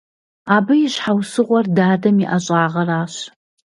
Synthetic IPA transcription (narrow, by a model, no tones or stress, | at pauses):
aːbɨjɪɕħawsɨʁʷɔrdaːdɐmiʔɐɕʼaːʁɐraːɕ